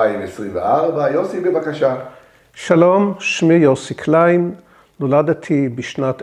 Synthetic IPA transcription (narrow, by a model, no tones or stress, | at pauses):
aimesʁimvḛʔaʁbajosibebakaʃa | ʃalomʃmijosikʰlajn | nolad̪at̪ʰibiʃnat̪